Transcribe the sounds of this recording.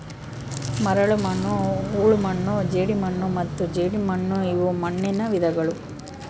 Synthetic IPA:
mɐɾɐɭumɐnːuuːɭumɐɳːud͡ʒeːɽimɐɳːumɐt̪ːud͡ʒeːɽimɐɳːuiʋumɐɳːinɐʋid̪ʱɐɡɐɭu

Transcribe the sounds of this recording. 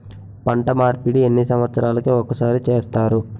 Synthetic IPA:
pɐɳʈɐmaːɾpiɽienːisɐmʋɐt̪sɐɾaːlɐkuɔkːɐsaːɾit͡ʃeːst̪aːɾu

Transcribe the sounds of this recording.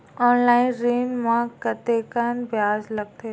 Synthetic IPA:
ɔːnlaːɪnɾiːnmãkɐt̪eːkaːnbjaːzlɐɡ̚t̪ʰe

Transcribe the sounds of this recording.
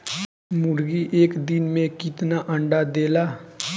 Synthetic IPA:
mʊɾɡiʔeːkd̪ɪnmẽkit̪naʔəɳɖaːd̪eːlaː

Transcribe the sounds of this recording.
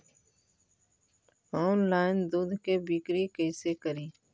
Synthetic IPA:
ɔːnlaːɪnd̪uːd̪ʱkebikɾikəɪsekəɾiː

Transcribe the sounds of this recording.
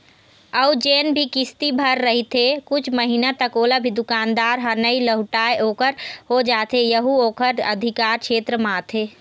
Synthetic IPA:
əud͡ʒeːnbʱikɪst̪ibʱəɾːəɦit̪ʰekʊt͡ʃʰməɦinat̪əkoːlabʱid̪ʊkaːnd̪aːɾɦənəiləɦʈaːjoːkəɾɦod͡ʒaːt̪ejəɦuoːkəɾə̰d̪ʱikaːɾkʃʰeːt̪ɾəmaːt̪ʰeː

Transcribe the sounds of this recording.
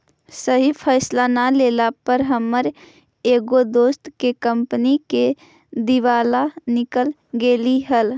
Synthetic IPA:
səɦipʰəːslanalelapəɾɦəmːəɾ | eːɡod̪oːst̪kekəmpnike | d̪iʋaːlanɪkəl | ɡeːliɦəl

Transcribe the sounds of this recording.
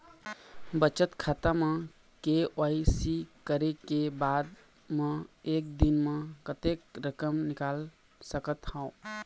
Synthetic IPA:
bət͡ʃət̪kʰat̪amə̃ | keaisikəɾekebad̪ | mə̃eːk̚d̪inmẽkət̪ekɾəkəmnɪkal | səkət̪hãʊ̃

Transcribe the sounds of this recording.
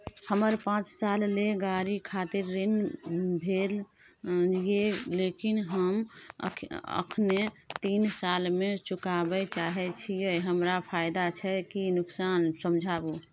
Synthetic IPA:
həməɾpãːt͡ʃsaːlːeɡaɾikʰaːt̪ɪɾːinbʱel | jelekɪnɦəm̰ | ə̰kʰne | t̪iːnsalmẽt͡ʃʊkabɛt͡ʃaɦɛt͡ʃʰijeɦəmɾapʰaːɪd̪at͡ʃʰɛkinʊksaːnsəmd͡ʒʱabu

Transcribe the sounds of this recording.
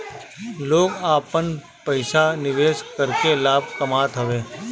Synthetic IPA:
loːɡaːpən | pəɪʃanɪʋeːʃkəɾkelaːb̚kɐmaːt̪ɦɐʋeː

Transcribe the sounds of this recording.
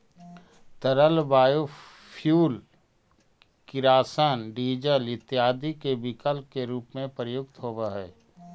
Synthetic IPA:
t̪əɾəlbaːjo | pʰjuːl | kɪɾaːsənɖiːd͡ʒəlɪt̪ːjaːd̪ikebɪkəlkeɾuːpmẽpɾəjʊɡt̪ɦoːʋaɦɛː

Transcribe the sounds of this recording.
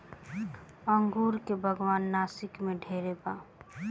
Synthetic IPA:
əŋɡuːɾkebʱəɡwaːnːaːsɪkmẽɖʱeːɾebaː

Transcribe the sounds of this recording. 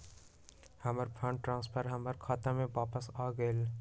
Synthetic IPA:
hɐməɾpʰə̃ɳʈʈɾãːnspʰəɾɦɐməɾkʰaːt̪ãmẽʋaːpəsaːɡəel

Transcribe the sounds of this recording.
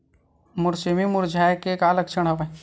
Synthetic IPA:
mʊɾsimimʊɾd͡ʒʱaːjkekaːlɐkt͡ʃʰəɽɦɐba

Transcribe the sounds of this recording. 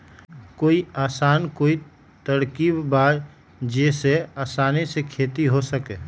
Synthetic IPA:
koːiaːsaːnkoːi | t̪əɽkibbaːɾ | d͡ʒeseaːsaːnesekʰeːt̪iɦosəkeː

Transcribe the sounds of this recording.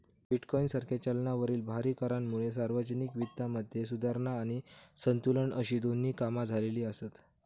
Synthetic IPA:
biʈkɔinsaɾkjat͡ɕalnaʋəɾiːlbʱaɾiːkəɾanmuɭesaɾʋəd͡ʑənikʋit̪ːaməd̪ʱjesud̪ʱaɾɳaːɽ̃isənt̪uləɳəɕiːd̪onːiːkamad͡zʱaleliːəsət̪

